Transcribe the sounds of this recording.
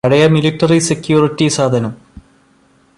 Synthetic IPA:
ɐɽɐjɐmiliʈːɐrisekjuːritːisaːd̪ʱɐnɐm

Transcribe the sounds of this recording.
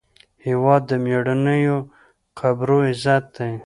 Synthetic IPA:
hiwɑd̪ːəmjeɽanəjo | qabɾoizat̪̚d̪aj

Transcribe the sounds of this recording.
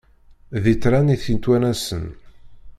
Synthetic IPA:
ðit̪ːɾaniθint̪wænæsə̰n

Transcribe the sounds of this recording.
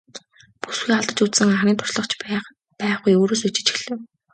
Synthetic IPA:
pu̥sxiːaɮt̪ə̆t͡ɕut͡ssɘ̆ŋaχɾʲiːnt̪ʰʊ̥sɮɞ̆χt͡ɕ | pæːχujoːɾoːs̬ut͡ɕɪ̥̆t͡ɕi̥ɮɘ̆w

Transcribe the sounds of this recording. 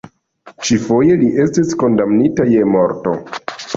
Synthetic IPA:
t͡ʃifo̞je̞liʔe̞stisko̞ndamnitaje̞mo̞ɾto̞̰

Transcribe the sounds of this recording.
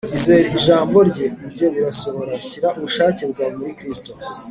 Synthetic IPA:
izeɾiiʒaːmbo̞ɾɟe̞ibɟo̞βiɾaso̞βo̞ɾaçiɾaʔuβuʃaːcebɡwaːβmuɾikɾisto

